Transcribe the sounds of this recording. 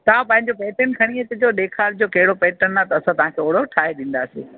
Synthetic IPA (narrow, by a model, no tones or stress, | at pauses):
t̪ɐʋ̤ãpɐ̃ɦɪ̃ɲd͡ʑopeːʈənkʰɐɽ̃iet̪ɪd͡ʑoːɗ̪eːkʰaːɾd͡ʑoːkɐɦɪɽopeːʈənːat̪ɐɐsãt̪ɐʋ̤ɦãkʰeːʊːɽoʈʰaːɦeɗĩːn̆d̪aːsḛː